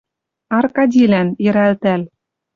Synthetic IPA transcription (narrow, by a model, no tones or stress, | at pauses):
ɑrkɑdʲilænjɘ̆ɾælt̪æl